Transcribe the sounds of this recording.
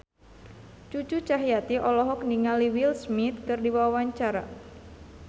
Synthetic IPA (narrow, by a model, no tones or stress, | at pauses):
t͡ʃut͡ʃut͡ʃaɦijat̪iʔɔlɔɦɔk̚niŋaliwilsmit̪̚kɨrdibawawaɲt͡ʃaɾa̰